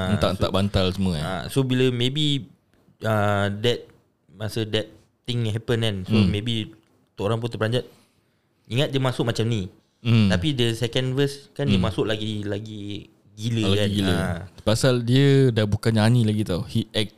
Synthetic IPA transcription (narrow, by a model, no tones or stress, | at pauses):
ant̪a̰ʔnt̪a̰ʔbant̪alsəmə̰a̰sobiləmebi | ədɛt̪̚ | masədɛt̪ | t̪ɪ̃ŋɦɛpənɛnsomẽbi | t̪oʔoɾaŋp̬ʊnt̪əpəlaɲd͡ʒat̪̚ | iŋat̪̚diəmasʊk̚mat͡ʃamni | apidəsɛkə̃nvəskandiəmasʊʔlaɡilaɡi | ɡiləlakaɡɡiləapasaldiədabukananilaɡit̪ahit̪̚ɛk̚